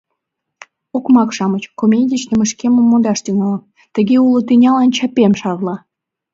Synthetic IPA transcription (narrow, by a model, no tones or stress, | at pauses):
okmɑkʃɑmət͡ɕkomʲedʲit͡ɕnəmə̆ʃkemə̆mːod̪ɑʃt̪yŋɑləm | t̪əɣeulot̪ynʲɑlɑnt͡ɕɑpemʃɑβlɑ